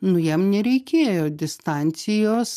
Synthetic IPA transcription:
nʊjɛmnʲɛɾʲɛɪkʲeːjoːd̪ʲɪst̪ɑˑnʲt̪sʲɪjoːs

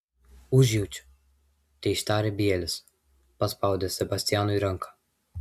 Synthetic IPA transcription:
uʒiwt͡ʃ | t̪ejʃt̪aːɾɛbijɛlʲəs | paspawd̪ɛsɛbast̪janujɾəŋkʰḁ

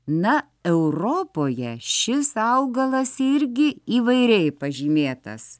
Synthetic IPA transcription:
nɐ | ɛʊɾoːpoːjɛʃʲɪsɐʊɡɐlˠɐsɪɾʲɡʲɪiːʋɐɪɾʲɛɪpɐʒʲiːmʲeːt̪ɐ̰s

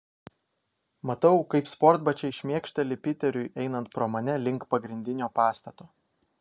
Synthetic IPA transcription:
mɐt̪ɐʊkɐɪpspɔɾd̪bɐt͡ʃʲɛɪʃʲmʲiɛkʃʲt̪ʲɛlʲɪpʲɪt̪ʲɛɾʲʊjʔɛɪnɐnt̪pɾoːmɐnʲɛlʲɪŋˑkpɐɡɾʲɪnʲd̪ʲɪnʲoːpɑːst̪ɐt̪oː

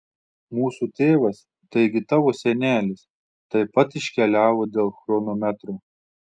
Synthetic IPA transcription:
muːsut̪ʲeːʋɐs | t̪ɐɪɡʲɪt̪ɑːʋoːsʲɛnʲæːlʲɪs | t̪ɐɪpɐt̪ɪʃʲkʲɛlʲæːʋoːd̪ʲeːlˠxɾoːnoːmʲæt̪ɾoː

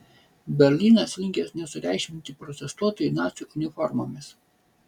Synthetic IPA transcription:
bʲɛɾʲlʲiːnɐslʲɪŋʲkʲesnʲɛsʊɾʲæˑɪʃʲmʲɪnʲt̪ʲɪpɾɔt̪ʲɛst̪uɔt̪oːjinɑːt̪sʲuːˑʔʊnʲɪfɔɾmoːmʲɪs

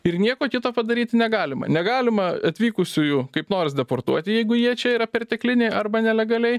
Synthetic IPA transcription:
ɪrnʲiɛkoːkʲɪt̪oːpɐd̪ɐɾʲiːt̪ʲɪnʲɛɡɑːlʲɪmɐ̰nʲɛɡɑːlʲɪmɐɐt̪ʲʋʲiːkʊsʲʊjʊkɐɪpnoːɾʲs̬d̪ʲɛport̪uɔt̪ʲɪjɛɪɡʊjiɛt͡ʃʲɛiːɾɐpʲɛrʲt̪ʲɛklʲɪnʲɛɪɐrbɐnʲɛlʲɛɡɐlʲɛɪ

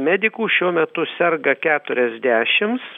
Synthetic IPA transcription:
mʲæːd̪ʲɪkuːʃʲuɔmʲɛt̪ʊsʲɛrɡɐkʲæːt̪ʊɾʲɛzʲd̪ʲæːʃʲɪms

